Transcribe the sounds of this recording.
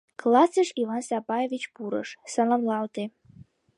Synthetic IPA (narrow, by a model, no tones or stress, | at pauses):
klˠasɨʂivansabajevit͡ʃʰb̥uɾə̰ʂsalamlˠalt̪ʰe